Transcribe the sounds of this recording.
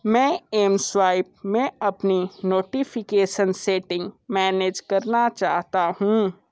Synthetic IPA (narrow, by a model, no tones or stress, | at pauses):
mɛ̃ːeːmswaːɪp̚mẽɐpninoːʈifʰɪkeːʃənseːʈɪ̃ŋɡmɛːneːd͡ʒkɐɾnat͡ʃa̰ːɦt̪aɦũː